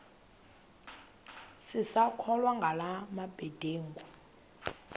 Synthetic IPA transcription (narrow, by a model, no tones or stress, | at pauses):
sisakʰɔlwaŋɡʱalamabɛd̥ʱeːŋɡu